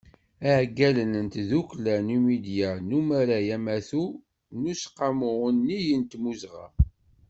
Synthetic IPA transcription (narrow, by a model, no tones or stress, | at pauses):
æʕɡːælənənt̪ðuklænimid̪jænumæɾajæmæθu | nusqːɑmʊʁənːijənt̪muzʁa̰